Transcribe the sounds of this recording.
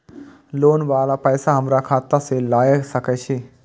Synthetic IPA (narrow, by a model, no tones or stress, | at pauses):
loːnʋaːlapəːsaɦəmɾakʰaːt̪aselaːjəksəkɛt͡ʃʰi